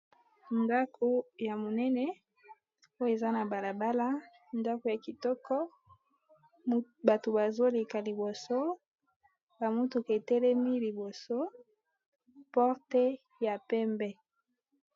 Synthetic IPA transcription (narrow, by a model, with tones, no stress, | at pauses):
nda˦kʰo˦ja˨mo˨nɛ˦nɛ˦ | o˦jo˦e˨za˦na˨ba˨la˨ba˦la˦ | nda˦ko˨ja˨ki˨tɔ˦kʰɔ˦ | ba˨to˨ba˨zo˦le˨ka˨li˨bo˨so˦ | ba˨mo˦to˨ke˨tɛ˦lɛ˦mi˦li˨bo˨so˦ | pɔ˦ʁtɛ˦ | ja˨pɛ˦mbɛ˦